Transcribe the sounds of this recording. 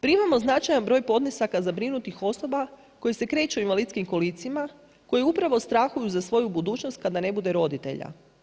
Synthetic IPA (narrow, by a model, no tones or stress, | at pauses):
pɾimamo̞znat͡ʃajanbɾo̞jpo̞d̪nisakazabɾinut̪ixo̞so̞ba | ko̞jese̞kɾe̞ːt͡ʃuinʋalidt̪skimko̞lit̪sima | ko̞jiupɾaʋo̞st̪ɾaxujuzasʋo̞jubud̪uːt͡ʃnost̪̚kad̪ane̞bud̪e̞ɾo̞d̪it̪e̞̰ʎa̰